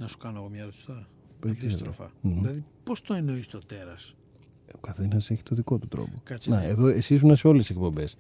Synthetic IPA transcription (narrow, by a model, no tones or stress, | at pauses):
nɐsu̥kɐnoɐɣomɲɐɾust̪ɐ | pet̪ist̪ɾofɐ̰ilɐðipost̪oenoist̪ot̪eɾɐs | okɐθe̞nɐse̞çi̥t̪o̞ðiko̞t̪ut̪ɾo̰po̞ɐnɐeðo̞esizunɐseo̞lesek̚po̞mbe̞s